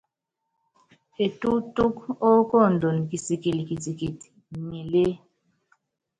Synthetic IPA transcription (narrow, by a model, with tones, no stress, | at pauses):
e˨tʼu˦tʼu˦ko˦kʼɔ˦˨ndʱo˨n˨kʼi˨si˨kʼi˨li˨kʼi˨tʼi˨kʼi˨ti̥˨ŋi˨le˦